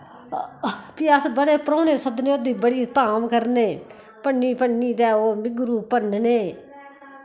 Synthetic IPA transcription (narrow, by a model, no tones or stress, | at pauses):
piːəsbəɽeːpəɾoːneːsəbneːod̪iːbəɽiːt̪aːmkəɾneː | pəɳːiːpəɳniːt̪ɛːoːmɪɡɾuːpənneː